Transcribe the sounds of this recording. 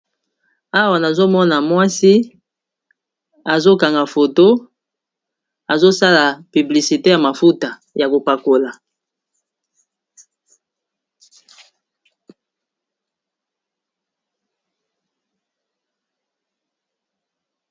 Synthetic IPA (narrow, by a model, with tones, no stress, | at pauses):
a˦wa˨na˨zo˦mɔ˦na˨mwa˦si˦ | a˨zo˦ka˨ŋɡa˨fo˨to˦ | a˨zo˦sa˦la˨py˨bli˨si˨te˦ja˨ma˨fu˦ta˨ | ja˨ko˨pa˨ko˨la˨